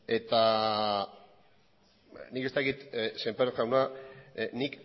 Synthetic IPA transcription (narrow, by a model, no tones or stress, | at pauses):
e̞t̪a | niket̪akit̪sempaɾokawna | nik